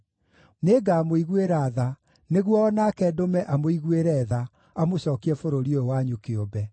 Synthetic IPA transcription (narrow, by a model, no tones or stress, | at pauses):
neːɡaːmoiɣweɾaːða | neɣwɔːnakɛdomɛʔamoiɣweɾɛːða | amoɕɔːkiɛfoɾoɾioowaɲukeobɛ